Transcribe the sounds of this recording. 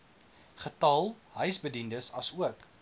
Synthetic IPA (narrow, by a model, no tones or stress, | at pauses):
χətɐlˠɦœɥsbədindəsɐsuək